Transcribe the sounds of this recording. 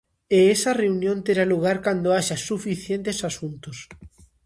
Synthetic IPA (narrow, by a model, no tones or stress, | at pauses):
eesɐreunjõnt̪eɾaluɣ̞aɾkand̪oaʃasufiθjent̪esasunt̪os